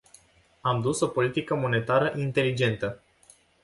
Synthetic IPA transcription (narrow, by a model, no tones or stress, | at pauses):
amd̪uso̞po̞lit̪ikəmo̞ne̞t̪aɾəʔint̪e̞lid͡ʒe̞nt̪ə